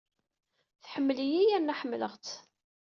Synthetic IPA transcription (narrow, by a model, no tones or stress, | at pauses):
θħəmːəlijijænːæħəmːləʁt͡s